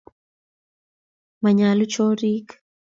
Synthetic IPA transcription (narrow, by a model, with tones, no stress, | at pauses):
ma˨ɲa˨lu˦t͡ʃɔ˦ɾi˦k